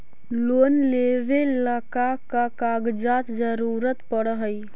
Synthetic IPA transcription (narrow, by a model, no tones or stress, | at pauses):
loːnleʋeləkakakaɡd͡ʒaːt̪d͡ʒəɾuɾət̪pəɽəɦəi